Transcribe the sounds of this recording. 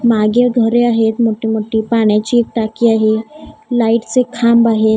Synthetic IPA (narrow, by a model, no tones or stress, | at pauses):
maɡeɡʱəɾeaɦet̪moʈimoʈiːpaɽ̃jat͡ɕiek̚ʈakiːaɦelaiʈt͡sekʰambaɦe